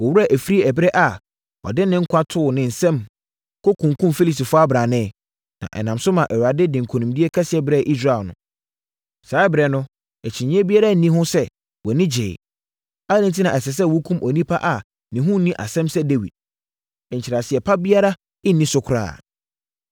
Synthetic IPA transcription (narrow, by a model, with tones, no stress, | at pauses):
wɔ˨wʊ˦a˨ʔæ˨fi˦ɾi˦æ˨bɛ˦ʔa˨ | ɔ̰˨dɪ˦nɪ̃˦ŋ̩˦kʷʰa˦tʰʊ˦˨nɪ̃˨n̩˨sɛ̃˦m | kʰo˦kʰũ˨ŋ˨kʰũ˦mfi˦li˦˨sti˨fʊ˦a˦bɾã˨nɪ̃˦˨ | nã̰˨ʔɛ̰˨nã˨msʊ˦mã˨ʔɛ˨wɾa˨dɪ˦dɪ̃˨ŋ̩˨kʰo˨nũ˨mdi˦e˦kʰa˦sɪ˨ɛ˦bɾɛ˦˨ʔi˦s̬ɾa˦ɛ˨lnʊ̰̃˨ | saː˨˦ɪ˦bɾɛ˨nʊ̃˦ | ɛ˨t͡ɕʰɪ̃˨ɲ˦ɛ̃˦bi˦a˦ɾa˦˨nĩ˦ɦʊ̃˦sɛ˦ | wɔ˨nĩ˦d͡ʑḛ˨ | a˦nɪ̃˨n˨t̬ʰi˦nã˨ɛ˨sɛ˨s̬ɛ˦˨wu˦kʰũ˦mʔɔ˨nĩ˦pʰa˦ʔa˨ | nɪ̃˨ɦʊ̃˦nĩ˦ʔa̰˨sɛ̃˦msɛ˦de˦wḭ˨d̥̚ | ɛ˨ɲ̩˨t͡ɕʰi˨ɾa˨sɪ˨ɛ˨pʰa˦bi˦a˦ɾa˦ | ɪ˦nːĩ˦sʊ˨˦kʰʊ˨ɾa̰ː˦˨